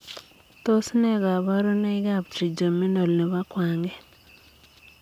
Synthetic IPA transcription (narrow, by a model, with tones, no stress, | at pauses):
t̪o˦sne˦ɡa˨βa˦ɾo˦na˦ɪ˦ɡa˦bt͡ʃi˨d͡ʒo˨me˦no˨lne˨βa˦kwa˨ŋɡɛ˦